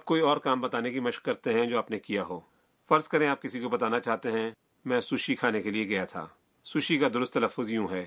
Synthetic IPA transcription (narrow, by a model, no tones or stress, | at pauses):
aːp̚koːiɔːɾkaːmbɐt̪aːnekimɐʃkːɐɾt̪eɦɛ̃d͡ʒoːaːpnekijaɦoː | fɐɾzkɐɾẽaːp̚kɪsikobɐt̪aːnat͡ʃaːɦt̪eɦɛ̃ | mɛ̃ːsʊʃikʰaːnekelieɡɐjat̪ʰa̰ː | sʊʃikad̪ʊɾʊst̪ːɐləfːʊzjũɦɛː